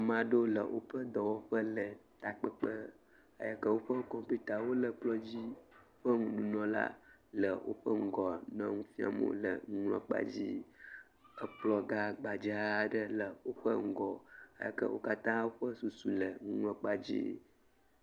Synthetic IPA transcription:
a˨mã˨ɖo˦lə˨wʔo˦ɸə˦d̪ɔ˨wo˦ɸə˦lə˨t̪a˨k͡pə˦k͡pə˦ | a̰˨ja˨kə˦wo˦ɸə˦kɔ̃˨pu˦t̪a˨wo˦lə˨k͡plɔ˦d͡ʑi˦o˦ɸə˦ŋũ˨nũ˨nɔ̃˨la̰˦lə˨wʔo̰˦ɸə˦ŋ̩˨ɡɔ˨nə̃˦ŋũ˦fĩ˦a̰˨mõ̰˦lə̰˨ŋu˦ŋlɔ̰̃˦˨k͡pa̰˦˨d͡ʑi˦ | ə˨k͡plɔ˦ɡa˦ɡ͡ba˨d͡ʒa˦ɖə˦lə˨wo˦ɸə˦ŋ̩˨ɡɔ˨a̰˨ja̰˨kə̰˦wʔo̰˦ka˦t̪ã˦wo˦ɸə˦su˨su˨lə˨ŋũ˦ŋlɔ̃˦k͡pa˦d͡ʑḭ˦

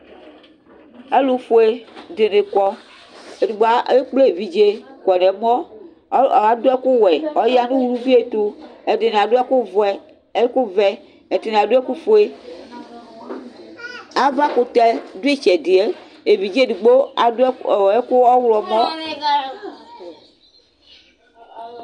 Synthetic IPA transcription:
e˦lu˦fo˨e˨de˨ne˨kɔ˦ | e˨du˨ɡ͡bo˨a˨e˦k͡ple˦e˨vi˨d͡ʒe˦kɔ˨nɛ˨m˦ɔ˦˨ | a˨do˦ɛ˦ku˦wɛ˨ɔ˦ja˦nũ˦wu˦ɾu˦vi˦e˨t̪u˦e˨de˨ne˨a˨do˦a˦ku˦ | e˦ku˦vɛ˦ | e˨te˨ne˨a˨du˦ɛ˦ku˦fo˨˦e˦ | a˦va˦ku˨t̪ɛ˦du˦e˦t͡ʃɛ˨di˨e˦ | e˨vi˨d͡ʒe˦˨du˨ɡ͡bo˦a˨˦˨e˦ku˦ɔ˦wlɔ˨mɔ̃˦

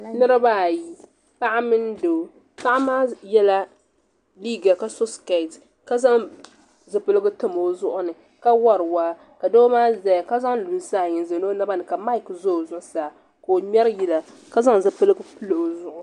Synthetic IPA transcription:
nɨ˦ɾɨ˦ba˦˨ji˦ | pa˦ʔa˦mɨ˦n˦do˨ | pa˦ʔa˦maː˦jɛ˦la˦ | li˦ɡa˨ka˨so˦ska˨t | ka˦za˦ŋ | zɨ˨pɨ˦lɨ˦ɡɨ˦tɨ˨mo˨˦zʊ˦ʔʊ˦nɨ˨ | ka˦wa˦ɾɨ˨waː˦ | ka˨do˦maː˦zɛ˨jka˦za˦ŋlu˨bsaː˦˨ɲɪ˨nzɛ˨no˦na˦ba˦nɨ˨ka˨ma˦ɪ˨kzo˦˨zʊ˦saː˨ | ko˨mʲɛ˦ɾji˨la˨ | ka˦za˦ŋ˨zɨ˨pɨ˦lɨ˦ɡɨ˦pɨ˦lo˨o˨zʊ˨ʔʊ˨

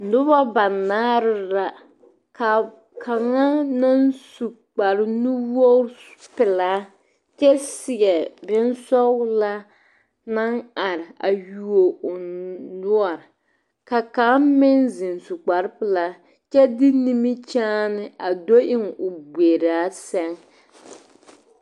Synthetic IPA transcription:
nʊ˦ba˦ba˨naː˦ɾɪ˦la˦ | ka˨ | kʰa˨ŋa˦na˦nsu˨ | k͡pa˨ɾɪ˦nu˦wo˦pɪ˨laː˨˦ | t͡ʃɛ˦sɪ˨ɡɛ˨bɪ˦nsɔ˦ɣla˦ | na˦ŋa˨ɾɪ˨a˨ju˨o˨ʊ˨nʊ˦ɔ˨ɾɪ˨ | ka˨ka˨˦mɪ˦nzɪ˨nsu˨k͡pa˨ɾɪ˦pɪ˨la˦ | t͡ʃɛ˦dɪ˦ni˦mi˦t͡ʃaː˦nɪ˦a˨do˦ʔɪ˦ŋʊ˨be˨ɾaː˨˦sɛ˦ŋ

